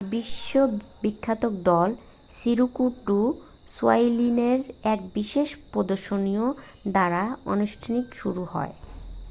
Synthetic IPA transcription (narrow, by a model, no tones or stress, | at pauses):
biʃːobikʰːat̪ok̚d̪ɔl | siɾukuʈːu | suajlineɾɛkbiʃeʃpɾod̪oɾʃonio | d̪aɾao̰nuʃʈʰanikʃuɾuhɔ̰e